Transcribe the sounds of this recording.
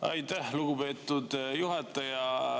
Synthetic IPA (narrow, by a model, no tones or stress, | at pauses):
ɑ̰jt̪æhluɡupe̞ːt̪ːˑud̪juɦɑt̪ːˑɑjɑ